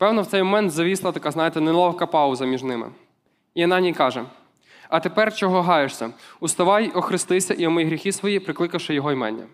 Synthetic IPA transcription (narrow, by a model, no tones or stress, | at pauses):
pɛwnɔwt̪ɛjmɔmɛnt̪zɐʋʲislˠɐt̪ɐkɑznɑjet̪ɛnɛlˠɔwkɐpɑuzɐmʲiʒnɪmɪ̰ | iɐnɑnʲijkɑʒɛ | ɐt̪epɛrt͡ʃɔɦɔɦɑjeʂsʲɐust̪ɐʋɑjɔxɾɪst̪ɪsʲɐʔiɔmɪjɦɾʲixisʋɔjipɾɪklˠɪkɐwʃɪjɔɦɔjmɛ̰nʲːɐ̰